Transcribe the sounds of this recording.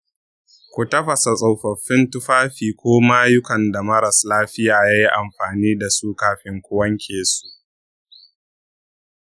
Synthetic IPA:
kʷu˨tɐ˦ɸɐ˨sa˨sʼa˨wɸɐ˨ɸːɪ˦ntʊ˦ɸaː˦ɸiː˨kʷoː˦ma˦jʊ˦kɐ˨nda˨mɐ˦ɾɐ˨slaː˦ɸɪ˦jaː˨jaː˦ji˦ʔa˨mɸaː˨niː˦da˨suː˦kaː˦ɸɪ˦ŋkʷʊ˦wɐ˦ŋkʲʰeː˨su̥˦ʔ

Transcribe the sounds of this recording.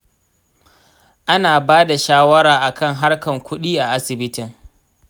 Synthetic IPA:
ʔa˦naː˨baː˦da˨ʃaː˦wɐ˦ɾaː˨ʔa˨kɐ˦˨ŋɦa˦rkɐ˨ŋkʷʰʊ˦ɗiː˦ʔa˨ʔa˦sɪ˨bɪ˦tɪ˨ŋ

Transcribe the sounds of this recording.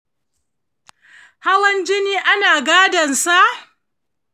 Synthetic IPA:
ha˦wɐ˦nd͡ʒɪ˦niː˦ʔa˦naː˨ɡaː˦dɐ˨nsa˦ʔ

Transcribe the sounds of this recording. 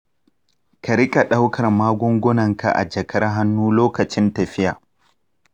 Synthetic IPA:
kɐ˨ɾɪ˦kʼa˨ɗa˦wkʰɐ˨rmaː˦ɡʷʊ˦ŋɡʷʊ˦nɐ˨ŋka̰˨ʔa̰˨d͡ʒɐ˨kʰɐ˦rɦa˦nːuː˦loː˦kɐ˨t͡ʃɪ˦ntɐ˨ɸɪ˦jaː˨

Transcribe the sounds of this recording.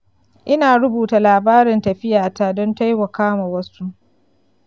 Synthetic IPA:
ʔɪ˦naː˨ɽʊ˦buː˨ta˨laː˨baː˦ɾɪ˨ntɐ˨ɸɪ˦jaː˨taː˦dɔ˦nta˦jwɐ˨kaː˦ma˨wɐ˦su˦

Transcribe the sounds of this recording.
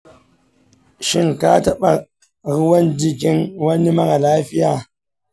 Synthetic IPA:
ʃi˦nka˦ta˦ɓa˨ | ɣi˦wa˦ndi˦ki˦nwa˦nːi˦ma˦ɣa˨la˦fi˦ja˦˨

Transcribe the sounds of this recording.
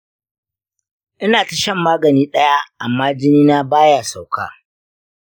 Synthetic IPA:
ʔɪ˦naː˨ta˨ʃɐ˦mːaː˦ɡɐ˨niː˦ɗɐ˦ja˦ʔa˨mːaː˦d͡ʒɪ˦niː˦na˦baː˦ja˨sa˨wkʰa̰ː˦˨

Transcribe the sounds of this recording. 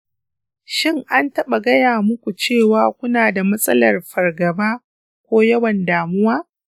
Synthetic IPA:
ʃɪ˦ŋʔa˦ntɐ˦ɓa˨ɡɐ˦jaː˨mʊ˦kʷu˨t͡ʃeː˦˨waː˦kʷʊ˦naː˨da˨mɐ˦sʼɐ̰˦lɐ˨rɸɐ˨rɡɐ˨baː˦ | kʷoː˦jɐ˦wɐ˨ndaː˨mʊ˦waː˦

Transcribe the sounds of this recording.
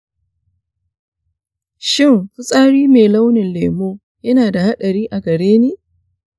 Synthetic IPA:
ʃɪ˦˨ŋɸʊ˦sʼaː˦ɽiː˦meː˨la˦wnɪ˨nleː˨moː˦ | jɐ˦naː˨da˨ha˦ɗɐ˨ɽiː˦ʔa˨ɡɐ˨ɽeː˦neː˦

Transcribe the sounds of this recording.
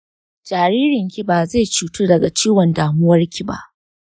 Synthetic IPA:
d͡ʒaː˨ɾiː˦ɾɪ˨ŋkʲi˦baː˨ze˦˨t͡ʃuː˨tu˦dɐ˨ɡa˨t͡ʃiː˦wɐ˨ndaː˨mʊ˦wɐ˦rkʲi˨ba̰˦ʔ

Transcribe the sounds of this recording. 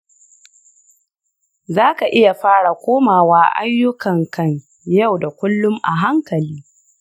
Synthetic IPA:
zaː˦ka˨ʔɪ˦ja˨ɸaː˦ɽa˨kʷoː˦maː˨waː˦ʔa̰˦jːʊ˦kɐ˨ŋkɐ˦˨ɲ | ja˦˨wda˨kʷʊ˦lːʊ˦mʔa˨ɦa˦ŋkɐ˨liː˦

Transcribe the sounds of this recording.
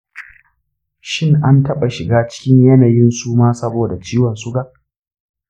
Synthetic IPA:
ʃɪ˦ŋʔa˦ntɐ˦ɓa˨ʃɪ˨ɡaː˦t͡ʃɪ̥˦kʲɪ˦ɲjɐ˦na˨jɪ˦nsuː˦maː˦sɐ˦boː˨da˨t͡ʃiː˦wɐ˨nsʊ˦ɡa˦˨ʔ

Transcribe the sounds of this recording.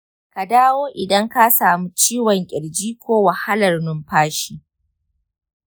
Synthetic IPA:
ka˨daː˦woː˦ʔɪ˨dɐ˦ŋka˦saː˨mu˦t͡ʃiː˦wɔ˨ŋkʲʼɪ˨ɽd͡ʒiː˦kʷoː˦wa˨ha˦lɐ˨rnʊ˦mɸaː˦ʃi˦

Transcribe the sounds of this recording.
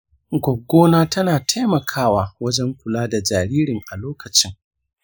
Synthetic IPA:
ɡʷɔ˨ɡːoː˦naː˦tɐ˦naː˨tʰa˦jmɐ˨kʰaː˦waː˨wɐ˦d͡ʒɛ˦ŋkʷʊ˨laː˦da˨d͡ʒaː˨ɾiː˦ɾɪ˨ŋʔa˨loː˦kɐ˨t͡ʃɪ˦ŋ

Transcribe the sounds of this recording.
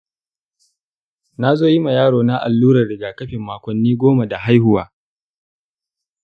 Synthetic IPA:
na˦zoː˦ji˦ma˨jaː˦ɽoː˨na˦ʔa̰˨lːuː˦ɾɐ˨rɽɪ˨ɡaː˨kɐ˦ɸɪ˨mːaː˦kʷɔ˨nːiː˦ɡʷoː˦ma˨da˨ɦa˦jhʊ˦waː˨

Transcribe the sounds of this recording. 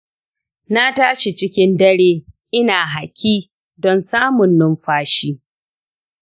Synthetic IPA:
na˦taː˦ʃe˨t͡ʃɪ˦kʲɪ˦ndɐ˦ɽeː˦ʔɪ˦naː˨ɦa˨kʲiː˦ | dɔ˦nsaː˦mʊ˨nːʊ˦mɸaː˦ʃiː˦

